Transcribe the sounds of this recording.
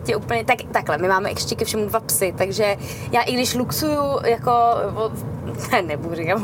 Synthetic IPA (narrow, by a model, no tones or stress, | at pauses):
cɛʔuːpl̩ɲɛt̪akt̪aklɛmɪmaːmɛʔɛ̰kʃcɛkɛfʃɛmudvapsɪt̪aɡʒɛ | jaːʔɪɡdɪʃluksujujakovo | t̪ɛːnɛbuɾɪa